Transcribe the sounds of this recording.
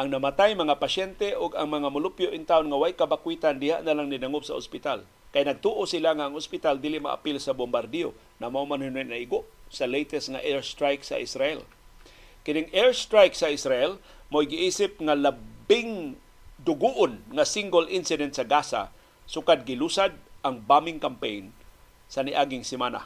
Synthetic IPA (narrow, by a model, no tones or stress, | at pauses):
ʔaŋnamat̪ajmɐŋapaʃɛnt̪ɛʔʊɡaŋmaŋamʊlʊpjoʔɪnt̪aonŋawajkabakwit̪and̪ɪhaʔnalaŋnɪnaŋʊpsa̰o̰spɪt̪al | kajnɐɡ̚t̪uʔosɪlaŋaːŋospɪt̪ald̪ilɪʔma̰ʔa̰pɪlsabombaɾd̪ɛo̰ | namaʔumanhʊnɛnaʔiɡoʔsalejt̪ɛsŋaʔɛɹst̪ɾajksa̰ʔɪsɾaʔɛl | kɪnɪŋɛɹst̪ɾajksaɪsɾaʔɛl | mojɡɪʔiːsɪp̚ŋalabɪŋ | d̪ʊɡuʔonŋasiŋɡolʔɪnsɪd̪ɛnt̪saɡasa̰ | sʊkad̪̚ɡɪlusad̪̚ʔaŋbamɪŋkampejn | sanɪʔaːɡɪŋsɪmaːna̰